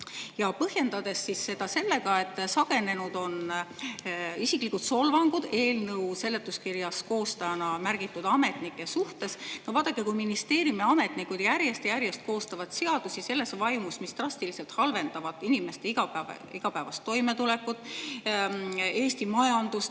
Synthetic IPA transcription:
jɑpɤhje̞nd̪̥ɑd̪̥e̞sːisːe̞d̪̥ɑse̞lːe̞ɡɑe̞t̪ːˑsɑɡ̥e̞ne̞nud̪̥o̞n | isiklikːˑut̪so̞lvɑŋɡ̥ud̪̥e̞ːlnɤwse̞lːe̞t̪ːˑuskirjɑsko̞ːst̪ɑjɑnɑmærɡ̥it̪ːˑud̪ɑme̞t̪nikːˑe̞suht̪e̞snovɑːd̪̥ɑkːekujminist̪e̞ːɾjimeɑme̞t̪ˑnikud̪̥jæɾjest̪ejæɾjest̪̚ko̞ːst̪ɑvɑt̪se̞ɑd̪̥usise̞lːe̞svɑjmusmist̪rɑst̪iliselt̪hɑlve̞nd̪̥ɑvɑd̪ˑinime̞st̪eiɡɑ | iɡ̥ɑpæevɑst̪ːo̞jme̞t̪ule̞kːud̪̥ˑ | e̞ːst̪imɑjɑnd̪̥us

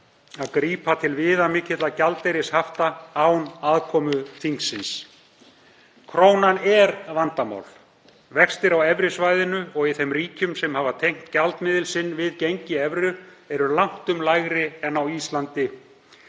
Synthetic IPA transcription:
aðkɾiːpat̪ʰɪlvɪːðamɪcɪt̪lacalt̪ejɾɪshaft̪aaːwnaðkʰɔːmʏθʰiŋksːɪns | kʰɾoːwnanɛɾvant̪ama̰wl | vɛkst̪ɪɾawɛvɾɪsvajðɪnʏɔɣiθɛmriːcʏmsɛmhavat̪ʰejŋ̥t̪calt̪mɪːðɪlsɪnːvɪðcejɲcɪɛvɾʏɛɾʏlawŋ̥t̪ʏmlajɣɾɪɛnːawist̪lant̪ɪ

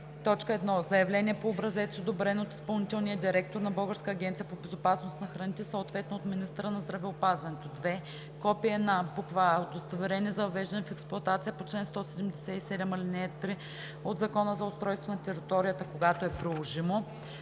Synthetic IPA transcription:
t̪ɔt͡ʃkəɛd̪nɔzɐjɐvlɛniɛpoːbɾɐzɛt̪siod̪obɾɛnot̪i̥spɐlˠnit̪ɛlˠnijəd̪iɾɛk̚t̪oɾnɐbɤlˠɡəɾskəːɡʲɛnt̪sijəpobɛzopasnost̪nɐxɾɐnit̪ɛsəot̪vɛt̪noot̪minist̪əɾənɐzd̪ɾɐvɛopazvɐnɛt̪od̪vɛ | kɔpiɛd̪nabukvaod̪ost̪ovɛɾɛniɛzɐvɛʒd̪ɐnɛfɛksplˠʊɐt̪at̪sijəpot͡ʃlɛnst̪ɔsɛd̪ɛmd̪ɛsɛisɛd̪ɛmɐlinɛt̪ɾi | od̪zɐkɔnəzɐʊst̪ɾɔjst̪vonɐt̪ɛɾit̪ɔɾijət̪əkoɡat̪oɛpɾilˠoʒimo

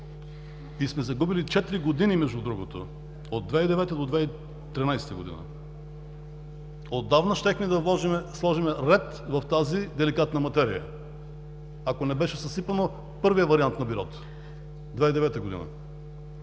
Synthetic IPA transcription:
ismɛzɐɡubilit͡ʃɛt̪iɾiɡod̪inimɛʒd̪ud̪ɾuɡot̪o̰ | od̪̚d̪vɛid̪ɛvɛt̪əd̪od̪vɛi | t̪ɾinajsɛ̥t̪əɡod̪ḭnə̰ | od̪ːavnɐʃt̪ɛxmɛd̪ɐvlˠɔʒimɛslˠɔʒimɛɾɛt̪ | vɐft̪azid̪ɛlikat̪nɐmɐt̪ɛɾḭjə̰ | akonɛbɛʃɛsɐsipəno | pɤɾvijəvɐɾiant̪nɐbiɾɔt̪ | d̪vɛid̪ɛvɛt̪əɡod̪ḭnə̰

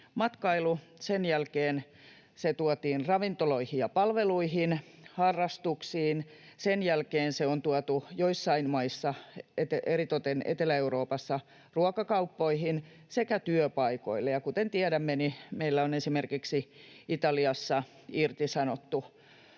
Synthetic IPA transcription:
mɑt̪kɑilu | senjælkeːn | set̪uɔt̪iːnrɑʋint̪oloihijjɑpɑlʋeluihin | hɑrːɑst̪uksiːnsenjælkeːnseont̪uɔt̪ujoisːɑinmɑisːɑet̪eerit̪ot̪enʔḛt̪elæeuroːpɑsːɑ | ruɑkɑkɑupːoihin | sekæt̪yøpɑiko̰ilːejɑkut̪ent̪iædæmːenimeilːæonesimerkiksiit̪ɑliɑsːɑ | irt̪isɑnot̪ːu

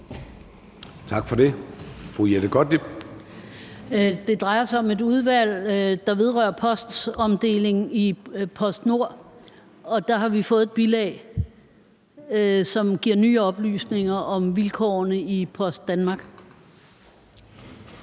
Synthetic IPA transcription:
t͡sʰɑ̈ɡ̥fɒd̥e̝fʁujeɾəɡ̥ɒd̥ib̥ | d̥e̝d̥ʁɑ̈ɪɐsɑ̈ɪɒ̽me̝duð̞ˠʋæl̰d̥ɑ̈ʋe̝ð̞ˠʁœɐpʰɒ̽sd̥sɒ̽md̥e̝̰ːle̝ŋ̩ipʰɒ̽sd̥no̝ɐ̰ | ɒ̽d̥ɑ̈ɦɑ̈ʋifɔ̽ːð̩ˠeb̥ilɛɪ | sɒ̽mɡ̥iɐ̰nyːɒ̽b̥ly̰ːsne̝ŋɐʔɒ̽mʋilkʰɒ̰nəipʰɒ̽sd̥ːænmɑ̈ːɡ̥

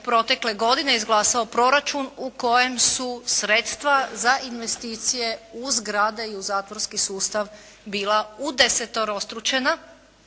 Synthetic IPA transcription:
pɾo̞t̪e̞kle̞ɡo̞d̪ine̞izɡlˠaːsaopɾo̞ɾat͡ʃunuko̞je̞msusɾe̞t̪st̪ʋazaʔinʋe̞st̪iːt̪sije̞uzɡɾad̪eiuzaːt̪ʋo̞ɾskisuːst̪aʋ | biːlaud̪e̞set̪o̞ɾo̞st̪ɾut͡ʃe̞na

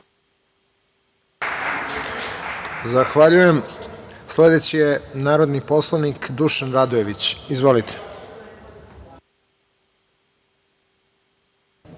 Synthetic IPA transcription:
zaxʋaʎujemsle̞d̪e̞t͡ɕijenaːɾod̪nipo̞slˠaʋnikd̪uʃanɾad̪oje̞ʋit͡ɕizʋo̞lit̪ʰe̥

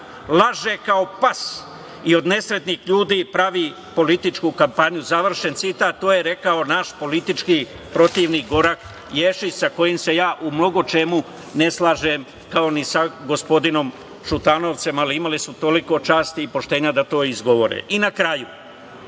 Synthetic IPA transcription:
lˠaʒekao̞pas | io̞d̪ne̞sɾe̞d̪nixʎuːd̪iːpɾaʋi | po̞lit̪it͡ʃkukampaɲuzaʋr̩ʃe̞nt̪sit̪aːt̪ːoːje̞ɾe̞kao̞naːʃpo̞lit̪it͡ʃki | pɾo̞t̪iʋniɡo̞ɾak | jeʃit͡ʃsako̞jimse̞jaːʔumno̞ɡo̞t͡ʃe̞mu | ne̞slˠaːʒem | kao̞nisaɡo̞spo̞d̪ino̞m | ʃut̪ano̞ʋt̪se̞maliimalisut̪o̞liko̞t͡ʃaːst̪iːpo̞ʃt̪e̞ːɲad̪at̪o̞ːizɡo̞ʋo̞ɾḛinakɾaju

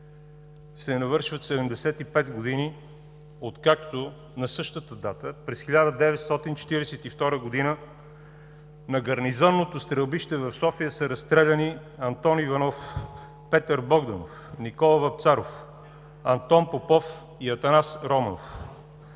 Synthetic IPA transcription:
sɛnɐvɤɾʃvət̪sɛd̪ɛmd̪ɛsɛt̪ipɛt̪ɡod̪ini | ot̪kakt̪o | nɐsɤʃt̪ət̪əd̪at̪əpɾɛsxilʲad̪əd̪ɛvɛt̪st̪ɔt̪int͡ʃɛ̥t̪iɾɛsɛt̪ift̪ɔɾəɡod̪inə | nɐɡɐɾnizɔnːot̪ost̪ɾəlˠbiʃt̪ɛvɐfsɔfijəsəɾɐst̪ɾɛlʲɐni | ɐnt̪ɔnivɐnɔf | pɛt̪əɾbɔɡd̪ɐno̰fnikɔlˠɐvɐp̚t̪saɾof | ɐnt̪ɔnpopɔf | iɐt̪ɐnasɾɔməno̰f

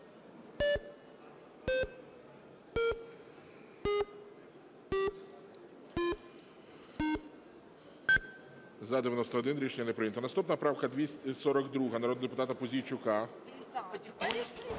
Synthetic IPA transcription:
zɐd̪ɪʋʲjɐnɔst̪ɔɔd̪ɪnɾʲiʃeɲːɐnɛpɾɪjnt̪ɔnɐst̪upnɐpɾɑwkɐd̪ʲʋʲisʲsɔɾɔɡd̪ɾuɦɐnɐɾɔd̪nɔd̪epʊt̪ɑt̪ɐpɔzʲijt͡ʃʊkɑ

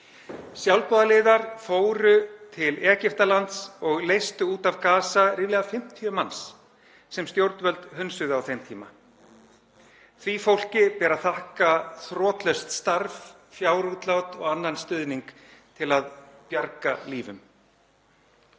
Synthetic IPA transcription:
sjawlpɔːðalɪːðaɾ̥foːwɾʏt̪ʰɪlɛːcɪft̪alant̪sɔɣlejst̪ʏuːt̪avkaːsaɾɪːvlɛɣafɪm̥t̪ʰjʏmans | sɛmst̪jowɾt̪vœlt̪hʏnsʏðʏawθejmt̪ʰiːma̰ | θʰvifowl̥cɪpɛːɾaθahkaθɾɔːt̪lœɥst̪st̪aɾv | fjawɾut̪lawt̪ɔɣanːanst̪ʏðniŋk | t̪ʰɪlaðpjaɾkaliːvʏ̰m

